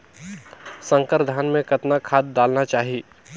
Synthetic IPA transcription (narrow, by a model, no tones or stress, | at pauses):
sə̃ŋkəɾd̪ʱaːnmẽkɐt̪nakʰaːd̪̚ːaːlnat͡ʃaːɦieː